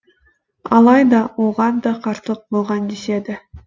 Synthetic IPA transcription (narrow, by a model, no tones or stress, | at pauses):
ɑlˠɑjd̪ɑwo̞ʁɑnd̪ɑqʰɑɾt̪əlˠəq̚bolˠʁɑnd̪ese̞d̪ɪ